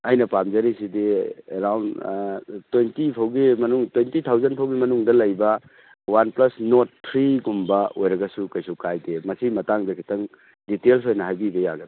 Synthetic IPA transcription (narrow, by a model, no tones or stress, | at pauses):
ɐjnɐpamzɐɾisidiḛɾawnd | twentipʰawɡimɐnuŋtwentitʰawzɐnpʰawɡimɐnuŋdɐlɐjbɐ | wanplɐsnotːʰɾiɡumbɐojɾɐɡɐsukɐjsukajdemɐsimɐtaŋdɐkʰi̥tɐŋ | ditelsojnɐɦajbibɐja̰ɡɐd